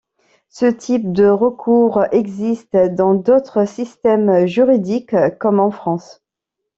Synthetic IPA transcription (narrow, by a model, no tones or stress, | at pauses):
sət̪ʰip̚d̪əʁəkʰuʁɛɡzist̪d̪ɑ̃d̪ot̪χəsist̪ɛmʒyʁid̪ikkːɔmɑ̃fχɑ̃s